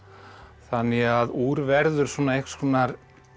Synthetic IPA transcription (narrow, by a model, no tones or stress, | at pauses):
θanːɪɣaðuːɾvɛɾðʏɾ̥svɔːnaehkskʰɔːnaɾ